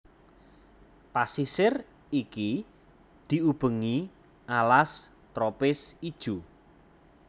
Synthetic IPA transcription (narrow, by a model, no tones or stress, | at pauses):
pasisɪr | iki | d̪̥i̤ub̥ə̤ŋi | ʔalas | t̪ɾopɪsid̥ʒ̥u